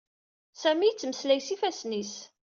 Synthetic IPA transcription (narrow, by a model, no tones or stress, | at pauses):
sæmijt͡sːməslæjsifæsnis